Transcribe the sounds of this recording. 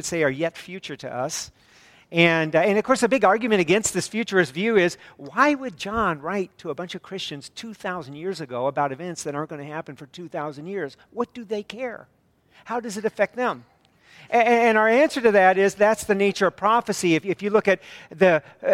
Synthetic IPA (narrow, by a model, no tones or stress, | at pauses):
ɨd̥seɪə˞jɛtfjʉt͡ʃə˞ɾɨ̰ʔʌ̰s | ʔɨ̃nɨ̃nʌv̥kʰɔɹsɨbɪɡɑɹɡjɨmɨ̃ɾ̃ɨɡɛ̃nst̪̚ðɪsfjʉt͡ʃə˞ɨzvjʉɪzwaɪwɨd̚d͡ʒɑ̃nɹaɪtʰəəbʌ̃nt͡ʃʌv̥kʰɹ̥ɪst͡ʃɨ̃nz̥tʰʉθaʊzn̩jɪɹzɨɡoʊəbaʊɾɨvɛ̃ntsðɨɾə̃˞ɡ̥ʌnɨhæpɨ̃nfə˞tʰʉθaʊzɨ̃n̩djɪɹz̥ | wʌt̚d̥ɨðeɪkʰɛɹ | haʊdʌzɨɾɨfɛk̚t̪̚ðɨ̃m | ɨɨ̃ñʊə˞æ̃nsə˞ɾɨðɨɾɪzðætsðɨneɪt͡ʃə˞ʌv̥pʰɹ̥ɑfɨsiɨfɨfjɨlʊkɨt̪̚ðɨ